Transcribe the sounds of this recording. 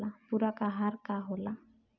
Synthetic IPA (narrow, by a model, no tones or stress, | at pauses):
apuɾakʼaɦarkaɦʊla